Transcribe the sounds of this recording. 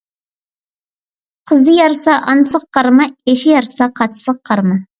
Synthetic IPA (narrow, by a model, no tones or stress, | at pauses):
qʰəzd̪əjɑɾsɑʔɑnsəqqːɑɾmɑeʃɪjɑɾsɑqʰɑt̪ʰsəqqʰːɑɾmɑ